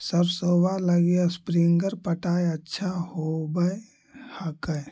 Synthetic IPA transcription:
səbsowaləɡiaspɾiŋɡəɾpəʈaːjətːʃʰahobəj | həkəj

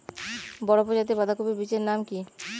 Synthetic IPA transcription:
bɔɽopod͡ʑat̪̬ibad̪ʱakobebit͡ɕeɾnamki

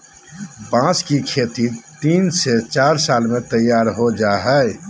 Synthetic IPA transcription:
bãːskikʰeːt̪it̪iːnset͡ʃaːɾsaːlmẽt̪əjːaːɾɦod͡ʒaːɦɛ

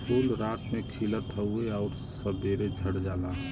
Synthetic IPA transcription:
puːlɾaːt̪mẽkʰilət̪ɦəʊeɔːɾ | səbeːɾed͡ʒʱəɽd͡ʒaːla

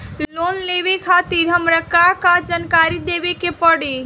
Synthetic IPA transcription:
lonleʋekʰat̪iɾɦəmɾəkakad͡ʒankaɾid̪ebekepəɽi

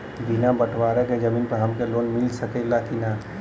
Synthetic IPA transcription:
binabəʈʰʋaːɾeked͡ʒəmiːnpɐɾɦəmkeloːnmɪlsəkelakina

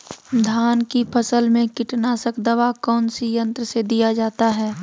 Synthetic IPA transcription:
d̪ʱaːnkipʰəsəlmẽkɪʈnaːsəkd̪ɐʋakɔːnsijə̃nt̪ɾəsed̪ijad͡ʒaːt̪aɦɛː

